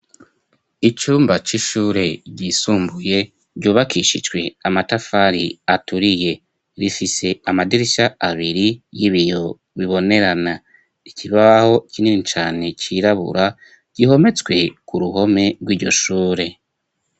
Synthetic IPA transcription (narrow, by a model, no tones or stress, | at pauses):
it͡ʃuːmbat͡ʃiʃuːɾe̞ɟiːsuːmbuje̞ | ɾɟuːβakʰiʃid͡ʒɡwe̞amatafaɾḭatuɾije̞ | ɾifise̞amadiɾiʃaaβiɾijiβijo̞ | βiβo̞ne̞ɾana | icʰiβaho̞icininit͡ʃaːne̞t͡ʃiːɾaβṵɾa | ɟ̥iho̞me̞t͡swe̞kuɾuɦo̞me̞ɡwiːɾɟo̞̰ʃuːɾe̞